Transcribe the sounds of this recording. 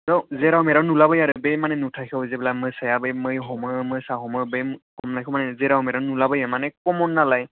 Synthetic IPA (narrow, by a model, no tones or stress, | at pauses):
zawzɛɾawmɛɾanulabɯjaɾɯbejmanɛnutʰakʰɔwzɛbɛlamɯjsajabɯjmɯjɦɔmɯmɯjsaɦɔmɯbejkɔmnakʰɔmanɛzɛɾawmɛɾanulabəjamanɛkɔmɔnːalaj